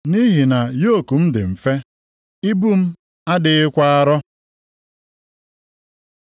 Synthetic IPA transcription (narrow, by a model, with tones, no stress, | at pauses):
ni˦ɦi˨na˨jo˦˨ku˨m̩˦dɪ̰˨m̩˨fe˦ | i˦bu˦m̩˦ | a˦dɪ˨ɪ˦kʷa˦a˦ɾɔ˦